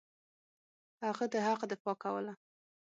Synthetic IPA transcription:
haɣad̪əhaqd̪əpɑkawə̰la

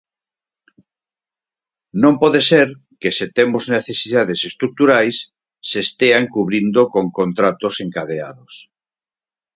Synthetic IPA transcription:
nõmpɔðeseɾ | keset̪emozneθesiðaðesest̪ɾuk̚t̪uɾajsː | est̪eaŋkuβɾind̪okoŋkont̪ɾat̪oseŋkaðea̰ðos

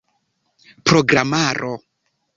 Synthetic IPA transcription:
pɾoɡɾamaɾʔo

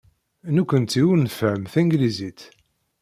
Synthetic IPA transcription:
nukʷənt̪iwunəfæmθæŋɡlizit̪

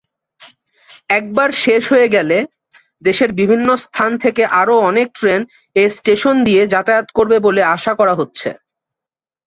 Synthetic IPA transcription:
ɛk̚baɾʃeʃɦoeɡɛle | d̪eʃeɾbibʱinːost̪ʰant̪ʰekeʔaɾoɔnek̚ʈɾen | esʈeʃond̪ied͡ʑat̪ajot̪koɾbeboleaʃakɔɾaɦotːɕʰḛ

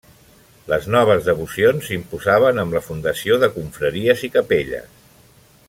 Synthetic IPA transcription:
ləznɔβ̞əzðəβusionzimpuzaβ̞ənəmləfund̪əsioðəkuɱfɾəɾiəzikəpeʎə̰s

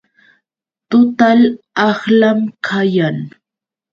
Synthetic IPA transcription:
t̪ʊt̪al | ɑχlamkʰajaŋ

